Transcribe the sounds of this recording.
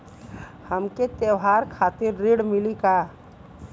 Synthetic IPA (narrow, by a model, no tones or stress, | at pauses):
həmket̪eʋɦaːɾkʰaːt̪ɪɾːiɽmɪlika